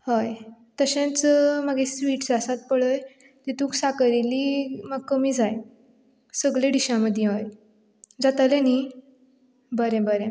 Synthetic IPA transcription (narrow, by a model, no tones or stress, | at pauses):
həj | t̪əɕẽt͡sməɡesʋiːʈd͡zasat̪̚pəɭəj | t̪et̪ũːksakəɾiliːməɡkːəmiːd͡zaj | səɡɭeɖiɕaməd̪ʱjeɦoj | d͡zat̪aleni | bəɾɛ̃bəɾɛ̃